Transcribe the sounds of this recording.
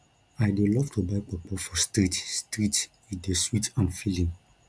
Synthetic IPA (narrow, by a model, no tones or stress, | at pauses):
aɪdulɔvtʰubaɪk͡pɔk͡pɔfɔstɾitstɾit | ideswitãnfilĩŋ